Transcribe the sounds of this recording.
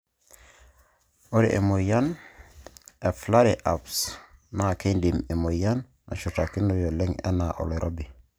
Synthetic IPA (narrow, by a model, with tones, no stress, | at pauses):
o˦ɾḭ˨ʔe˨mo˨ja˦n | ɛ˨fla˦ɾiʔa˨psna˨ke˦ndi˨me˨mo˨ja˦n | a̰˨ʃu˨ta˨ki˦no˨jo˨le˦ŋɛ̰˦na˨ʔo̰˨lo˨ɾʔo˦bi˨